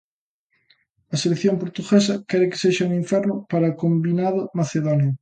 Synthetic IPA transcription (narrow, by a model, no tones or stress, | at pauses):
aselekθjompoɾt̪uɣes̬akeɾeke̥seʃaunĩɱfɛɾnʊpaɾakombinað̞amaθeðonjo